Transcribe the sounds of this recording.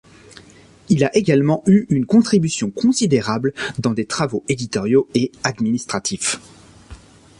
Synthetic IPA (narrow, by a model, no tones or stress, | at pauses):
ilaʔeɡalmɑ̃yynkɔ̃t̪χibysjɔ̃kɔ̃sid̪eʁabld̪ɑ̃d̪et̪χavoʔed̪it̪ɔʁjoead̪minist̪χat̪if